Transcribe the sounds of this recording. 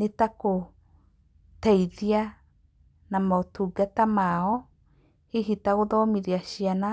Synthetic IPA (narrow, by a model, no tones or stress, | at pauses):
netako | tɛiðia | namaotuɡatamaɔ | heɦitaɣoðɔmiɾiaʃiana